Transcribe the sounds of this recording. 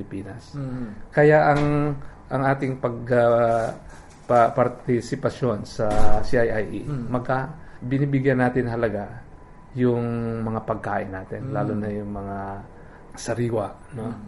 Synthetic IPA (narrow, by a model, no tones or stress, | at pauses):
ɪlɪpiːnɐskɐjaʔɐŋʔɐŋʔaːt̪ɪŋpɐɡ̚a | pɐpɐɾt̪ɪsɪpɐʃjo̞nsɐsiʔajʔajʔimɐɡkabɪniːbɪɡjanːaːt̪ɪnɦɐlɐɡa | jʊŋmɐŋapɐɡ̚kaːʔɪnːaːt̪ɪnlaːlonɐjʊŋmɐŋa | sɐɾiːwɐʔno